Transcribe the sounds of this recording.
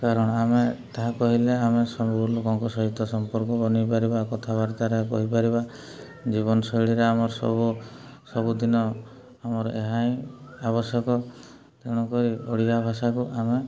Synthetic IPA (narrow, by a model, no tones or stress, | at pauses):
kaɾɔɽ̃ɔamet̪aɦakɔɦileamesɔmuɡulukɔŋkɔsɔɦit̪ːɔsɔmpɔɾkɔbɔnipaɾibakɔt̪ʰaβaɾt̪aɾekɔɦipaɾiba | d͡ʒiβɔnɔsɔjɽiɾeamɔɾɔsɔ̰bu | sɔbud̪inɔ | amɔɾɔ̰ʔeɦaĩaβɔsjɔkɔ | t̪eɽ̃ɔkɔɾioɽiabʱasakuʔame